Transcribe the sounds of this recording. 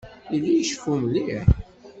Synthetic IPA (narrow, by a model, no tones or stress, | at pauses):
ilːijəʃfumliʕ